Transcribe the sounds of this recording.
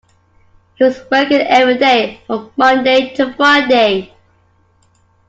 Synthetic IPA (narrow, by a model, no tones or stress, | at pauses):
hiwɒzwɜˑkə̃nɛvɹideɪfɹə̃mmʌ̃ndeɪtʰəfɹaɪdeɪ